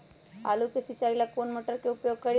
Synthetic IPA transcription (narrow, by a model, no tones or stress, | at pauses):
a̰lukesit͡ʃaɾilakonmoʈəɾkeupjoɡ̚kəɾ